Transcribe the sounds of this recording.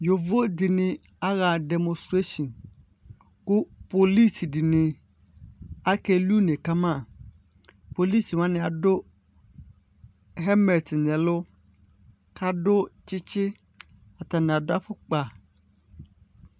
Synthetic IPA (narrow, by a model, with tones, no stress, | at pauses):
jo˨vo˦dɪ˨nɪ̃˨ | a˦ɣa˨dɛ˨mɔ̃˨stɾe˦ʃɔ̃˨n | kʊ˦po˨li˦˨si˨dɪ˨nɪ̃˨ | a˦kɛ˦lu˦nẽ˨ka˦mã˦˨ | po˨li˦˨si˨wã˦nɪ̃˨a˨dʊ˦ | ɦɛ˦mɛ˨tnɛ˨lʊ˦ | kʰa˦dʊ˦t͡ʃɪ˦t͡ɕɪ˦ | a˨t̪a˨nɪ̃˨a˨dʊ˦a˦fʊ˦k͡pa˨